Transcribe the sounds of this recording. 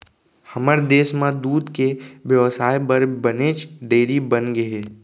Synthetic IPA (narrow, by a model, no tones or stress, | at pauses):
həməɾd̪eːsmãd̪uːd̪kebjəʋsaːjbəɾbəneːt͡ʃɖeːɾibənɡəɦeː